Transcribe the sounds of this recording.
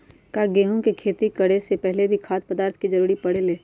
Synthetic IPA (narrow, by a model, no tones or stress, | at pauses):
kaɡeːɦõkekʰeːt̪ikɐɽesepɛɦlebʱikʰaːt̪̚pəd̪aːɾt̪ʰkid͡ʒɐɾuːɾipɐɽ̤eleː